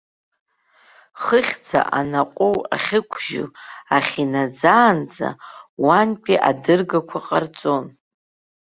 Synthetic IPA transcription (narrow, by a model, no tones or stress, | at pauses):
χəχʲd͡za̰ʔanaqʷʼowa̰χʲɪkʷʰʒʊ̰aχʲinad͡zaːnd͡za̰wanpʼiʔadɨrɡakʷʰaqʼart͡sʼo̞n